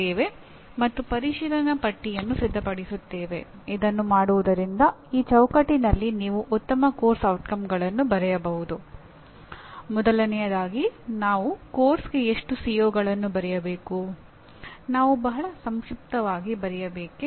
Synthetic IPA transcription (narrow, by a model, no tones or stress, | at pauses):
eːʋe̞ | mɐt̪ːupɐɾiʃiːɾɐnɐpɐʈːijɐnːusid̪ʱːɐpɐɽisut̪ːeːʋe̞ | id̪ɐnːumaːɽuʋud̪ɐɾind̪ɐiːt͡ʃɐwkɐʈːinɐlːiniːʋuʔut̪ːɐmɐko̞ːɾsɐwʈkɐmɡɐɭɐnːubɐɾɛjɐbɐɦud̪u | mɔd̪ɐlɐnɛjɐd̪aːɡinaːʋukoːɾsɡe̞eʂʈusijoːɡɐɭɐnːubɐɾɛjɐbe̞ːku | naːʋubɐɦɐɭɐsɐmʃip̚t̪ɐʋaːɡibɐɾɛjɐbeːke